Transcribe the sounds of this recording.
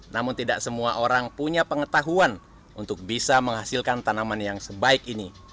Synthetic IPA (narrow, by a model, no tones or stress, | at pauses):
namʊnt̪idaksəmuaʔoɾaŋpuɲapəŋət̪aɦuan | unt̪ʊk̚bisaməŋɦasɪlkant̪anamanjaŋsəbaɪkini